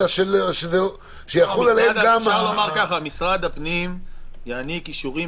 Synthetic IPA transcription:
aʃelʃeze | ʃejaχolaleed̪ɡamlomaʁkaχamisʁad̪apnimjaanikiʃuʁi

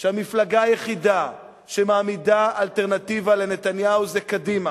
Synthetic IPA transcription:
ʃeamiflaɡaajeχid̪a | ʃemaːmidaːlt̪eʁnat̪ivale̞ne̞t̪anjauzekadima

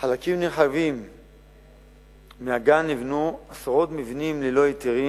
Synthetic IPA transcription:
χalakimneχavim | eaɡanivnuasaʁo̞t̪mivinimlelo̞jit̪iʁi

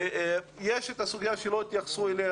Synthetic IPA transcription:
jeʃet̪asuɡjaʃeloit̪jaχsuele

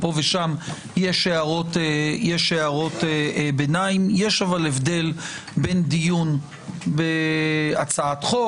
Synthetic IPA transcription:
po̞veʃam | jeʃeaʁo̞tejeʃeaʁo̞t̪benaimjeʃavalevd̪e̞l | be̞nd̪ijun | beat͡saat̪χo

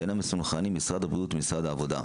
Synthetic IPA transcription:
enamesunχanimːisʁad̪abiut̪misʁad̪aːvo̞d̪a̰

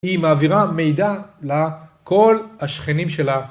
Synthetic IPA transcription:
imaːviʁame̞jd̪alako̞lhaʃχenimʃe̞la

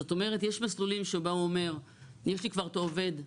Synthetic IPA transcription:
ot̪o̞me̞ʁet̪jeʃmaslulimʃeubauome̞ʁ | jeʃlikvaʁt̪oːve̞d̪

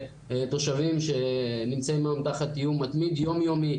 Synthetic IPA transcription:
t̪o̞ʃavimʃe̞nimt͡saimaamt̪aχat̪ijumːat̪mid̪jo̞mijo̞mi

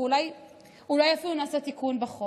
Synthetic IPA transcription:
ulaj | ulajafilunaːsat̪ikunbaχo

